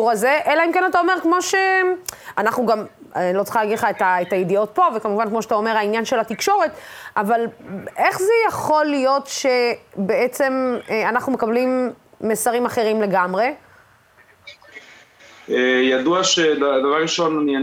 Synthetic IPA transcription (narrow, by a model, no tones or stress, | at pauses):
uʁazeʔelaimkenat̪ao̞me̞ʁkmo̞ʃeanaχnuɡamlot͡sχalaɡilχaet̪aetajedio̞t̪̚po̞vekamuvankmo̞ʃeat̪aomeʁainjanʃelat̪ikʃo̞ʁe̞tʔavalʔe̞χzejaχo̞lijo̞tʃe̞beet͡se̞manaχnumekablimːesaʁimaχe̞ʁimle̞ɡamʁe̞ | ejaduaʃedad̪avaʁiʃonnia